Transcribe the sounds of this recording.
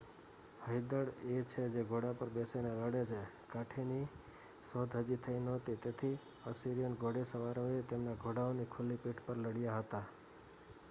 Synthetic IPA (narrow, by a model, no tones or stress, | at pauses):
həid̪əɽet͡ʃʰed͡ʒeɡʱoɽapəɾbeseneləɽet͡ʃʰe | kaʈʰeni | sod̪ʱɦəd͡ʒit̪ʰəinɔt̪it̪et̪ʰi | əsiɾijənɡʱoɽesəʋaɾoet̪emnaɡʱoɽaonikʰulipiʈʰpəɾləɽijaɦət̪a